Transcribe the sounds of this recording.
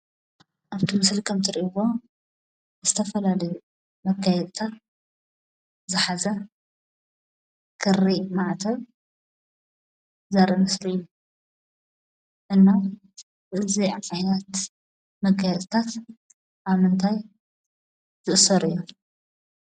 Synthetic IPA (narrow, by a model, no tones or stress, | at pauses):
ʔaβt̪ʰimɨslkʰɐmt̪ʰɨɾiʔβo | ɨzɨt̪ʰɐfɐlalɐju | mɐkʰːajɛd̪t̪ʰat̪ | zɨħazɐ | kʰɨrːimaʕt̪ʰɐβ | zaɾʔɐmɨsliɨjːu | ʔɨnːa | bɨʔɨziʕħajnɐt̪ | mɐkʰːajɛd̪ʼɨt̪ʰat̪ | ʔaβmɨnt̪ʰaj | zɨʔsɐɾɨjːu